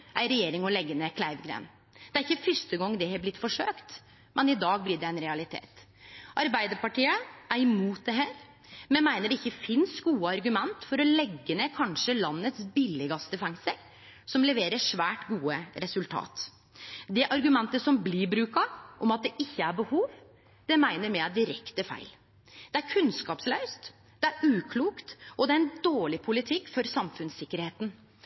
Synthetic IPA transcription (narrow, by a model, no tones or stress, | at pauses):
ʔæɪɾɛjeːɾɪŋɔlɛɡːəneːkʰlæɪʋɡɾḛːn | d̪ɛæɾɪçːəfœʂʈ̪əɡɔŋːd̪ɛhɛblɪt̪ːfɔʂøːkt̪ | mɛnɪd̪ɑːɡ̚blɪɖɛɛɪnɾɛɑlɪt̪ʰḛːt̪ | ʔɑɾbæɪd̪əɾpɑʈiːəʔæɾɪmuːt̪̚d̪ɛɦæːɾ | mɛnmæɪnəɖɛɪçːəfɪnsɡuːəɑɾɡʉmɛnt̪fɔɾɔlɛɡːəneːkʰɑnʂəlɑnːət̪sbɪlːɪɡɑsd̪ɛfɛŋsəɾ | sɔmlɛʋeːɾəʂʋæːʈɡuːəɾɛsʉlt̪ʰɑ̰ːt̪ | d̪ɛʔɑɾɡʉmɛnt̪əsɔmbliɾbɾʉːkɑʔɔmɑt̪̚d̪ɛʔɪçːəæɾbəhuːʋ | d̪̥ɛmæɪnəɾmɛæɖɪɾɛkt̪əfæ̰ɪl | d̪̥ɛæɾkʰʉnskɑːpslœʉst̪ | d̪̥ɛæɾʉːkʰluːkt̪ʔɔd̪ɛæɾɛnd̪oːɭɪpʰʊlɪt̪ʰɪkːfɔɾsɑmfʉnsɪkːəɾheːt̪n